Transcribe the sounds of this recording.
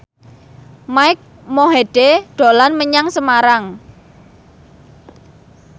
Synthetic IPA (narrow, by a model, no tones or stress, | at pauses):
maɪk̚ | moɦeɖ̥eɖ̥o̤lanməɲaŋsəmaɾaŋ